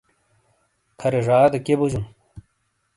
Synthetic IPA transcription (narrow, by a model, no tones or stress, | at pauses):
kʰɐɾeʐaːd̪ɐkebud͡ʑun